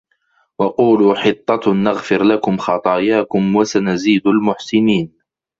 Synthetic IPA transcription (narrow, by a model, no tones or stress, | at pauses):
wɑquːluːħɨt̪ˤːɑnaɣfɪɾlakʊmxɑt̪ˤɑːjaːkʊmwasanaziːd̪almʊħsɪniːn